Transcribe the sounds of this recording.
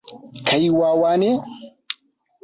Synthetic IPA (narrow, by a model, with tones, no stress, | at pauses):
kʰɐ˨jwaː˦waː˦ne˦